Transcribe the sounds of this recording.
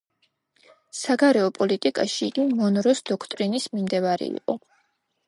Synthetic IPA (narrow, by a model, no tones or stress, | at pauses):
saɡaɾɛɔpʼɔlit̪ʼikʼaʃiːɡimɔnɾɔsd̪ɔkʰt̪ʼɾinismimd̪ɛvaɾɛ̰ḭqʼɔ